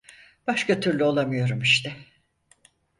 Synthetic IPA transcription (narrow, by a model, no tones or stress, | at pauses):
b̥aʃkʰat̪ʰyɾlʲyo̞lˠamɯjo̞ɾumiʃt̪ʰɛ